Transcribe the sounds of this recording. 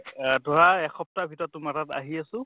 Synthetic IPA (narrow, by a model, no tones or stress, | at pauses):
dʱoɹaɛkʰɔp̚tabʱitɔtːʊmatata̰ɦiasʊ̃